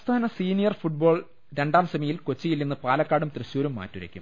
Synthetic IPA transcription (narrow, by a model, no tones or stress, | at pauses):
st̪ʰaːnɐsiːnijɐrfuʈ̚bo̞ːɭ | ɾe̞ɳɖaːmsɐmɐjilkot͡ɕːijilːinːɨpaːlɐkːaːɽumt̪rɐɕuːɾumːa̰ːtːuɾɐ̰kʲːṵm